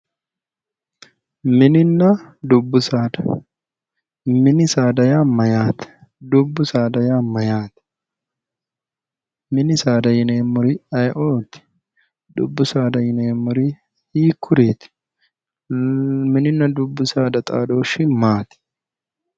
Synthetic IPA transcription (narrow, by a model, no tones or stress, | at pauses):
mɪnɪnːɐd̪ʊbːʊsaːd̪ɐ | mɪnɪsaːd̪ɐjaːmɐjaːt̪ɪ̥ | d̪ʊbːʊsaːd̪ɐjaːmɐjaːt̪ | mɪnɪsaːd̪ɐjɪneːmːʊɾɪɐjʔoːt̪ɪ̥ | d̪ʊ̰bːʊsaːd̪ɐjɪneːmːʊɾɪ | iːkʰːʊɾeːt̪ɪ̥ | dmɪnɪnːɐd̪ʊbːʊsaːd̪ɐt̪ʼa̰ːd̪oːʃɪmaːt̪ɪ̥